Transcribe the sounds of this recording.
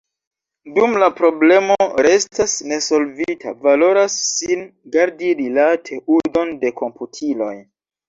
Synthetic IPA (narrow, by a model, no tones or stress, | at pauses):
dumlapɾo̞ble̞mo̞ɾe̞stasne̞so̞lvitʰa̰valo̞ɾasːinɡaɾdiɾilatʰe̞ʔudo̞nde̞kʰo̞mputʰilo̞̰j